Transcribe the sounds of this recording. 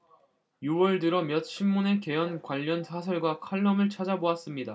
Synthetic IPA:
juwʌɭdɯɾʌmjʌt̚ɕʰimːune̞ke̞jʌnkwaʎːʌnsʰasʰʌɭɡwakʰaɭːʌmɯɭt͡ɕʰad͡ʑaboas͈ɯmɲida

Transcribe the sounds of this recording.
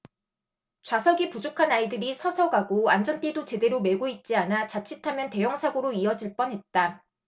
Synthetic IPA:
t͡ɕwasʰʌɡipud͡ʑokʰanaidɯɾisʰʌsʰʌɡaɡoand͡ʑʌnt͈e̞dot͡ɕe̞de̞ɾome̞ɡoit̚t͡ɕ͈ianat͡ɕat͡ɕʰitʰamjʌnte̞jʌŋsʰaɡoɾoiʌd͡ʑiɭp͈ʌnɦe̞t̚t͈a

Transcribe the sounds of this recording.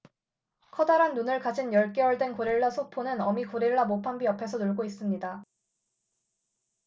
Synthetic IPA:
kʰʌdaɾanːunɯɭkad͡ʑinjʌɭk͈e̞ʌɭdwe̞nkoɾiɭːasʰopʰonɯnʌmikoɾiɭːamopʰambiʌpʰe̞sʰʌnuɭɡois͈ɯmɲida

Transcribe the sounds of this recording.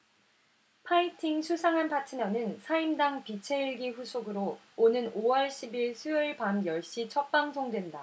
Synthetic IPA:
pʰaitʰiŋsʰusʰaŋanpʰatʰɯmjʌnɯnsʰaimdaŋpit͡ɕʰe̞iɭɡiɸusʰoɡɯɾo | onɯnowʌɭɕʰibiɭsʰujɯɭpamjʌɭɕ͈it͡ɕʰʌk̚p͈aŋsʰoŋdwe̞nda

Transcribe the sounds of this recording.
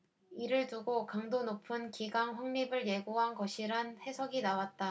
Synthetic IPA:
iɾɯɭtuɡokaŋdonopʰɯnkiɡaŋɸaŋɲibɯɭje̞ɡoɦanɡʌɕʰiɾanhe̞sʰʌɡinawat̚t͈a

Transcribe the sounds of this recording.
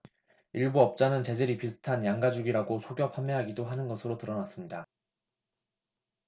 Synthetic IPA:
iɭbuʌp̚t͡ɕ͈anɯnt͡ɕe̞d͡ʑeɾipisʰɯ̥tʰanjaŋɡad͡ʑuɡiɾaɡosʰoɡjʌpʰamːeɦaɡidoɦanɯnɡʌsʰɯɾotɯɾʌnas͈ɯmɲida

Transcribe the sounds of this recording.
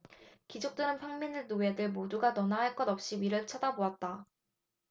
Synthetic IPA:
kid͡ʑok̚t͈ɯɾɯnpʰaŋminɯnoe̞dɯɭmoduɡanʌnaɦaɭk͈ʌdʌp̚ɕ͈iɥiɾɯɭt͡ɕʰadaboat̚t͈a

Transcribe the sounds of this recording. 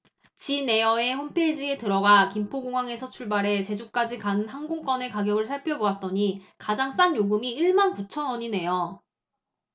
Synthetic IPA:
t͡ɕine̞jʌe̞hompʰed͡ʑie̞tɯɾʌɡakimpʰoɡoŋwaŋe̞sʰʌt͡ɕʰuɭbaɾe̞t͡ɕe̞d͡ʑuk̚k͈ad͡ʑikanɯnɦanɡoŋk͈wʌne̞kaɡjʌɡɯɭsʰaɭpʰjʌboat̚t͈ʌɲikad͡ʑaŋs͈anjoɡɯmiiɭmankut͡ɕʰʌnʌɲine̞jʌ

